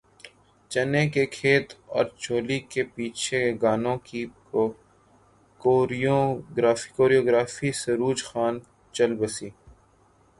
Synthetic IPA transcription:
t͡ʃɐnekekʰeːt̪ɔ̰ːɾt͡ʃoːlikepiːt͡ʃʰeɡaːnõki | o | koːɾijoɡɾaːfi̥koːɾijoːɡɾaːfisɐɾuːd͡ʒxaːn | t͡ʃəlbəsiː

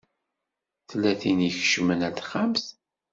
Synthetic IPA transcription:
θlːæθinjəçʃmənæθχams

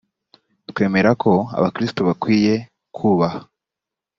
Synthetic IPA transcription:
twe̞ːme̞ɾakʰo̞a̰βakɾistoβakwiːje̞ | kʰuβaha

